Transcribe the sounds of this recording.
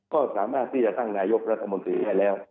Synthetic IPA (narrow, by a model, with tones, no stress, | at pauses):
kɔː˥˩saː˩˦maː˥˩t̪̚ʰːiː˥˩t͡ɕa˨˩t̪a˥˩ŋnaː˧jo˦˥k̚ɾa˦˥t̪ʰːa˧mo˧nt̪ɾiː˧daː˥˩jlɛː˦˥w